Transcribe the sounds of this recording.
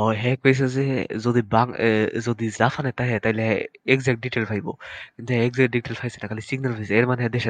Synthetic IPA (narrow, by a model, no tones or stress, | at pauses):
ɦɔjɦɛkojs̬azɛzod̪ibaŋzod̪izafʰanat̪aɦɦɛt̪aɦileɦaekzɛk̚ʈ̚ɖiʈelfʰajbɔ̰kint̪uɦɛekzɛkʈ̚ɖiʈelfʰajsɛnakalisiɡnalfʰajseɛɾmanɦɛd̪ɛʃa